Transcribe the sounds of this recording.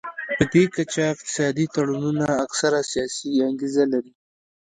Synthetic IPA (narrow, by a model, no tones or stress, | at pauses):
pəd̪ekat͡ʃaɪq̚t̪ɪ̥sɑd̪it̪aɽununaːksaɾasijɑsiaŋɡezalaɾi